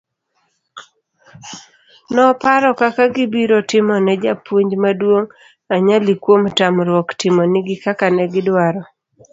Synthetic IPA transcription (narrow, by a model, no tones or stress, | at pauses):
nɔpaɾɔkakaɡibiɾotɪmɔnɛd͡ʒapwoɲd͡ʒmadwoŋ | aɲalikwomtamɾwɔktɪmɔnɪɡɪkakanɛɡɪdwaɾɔ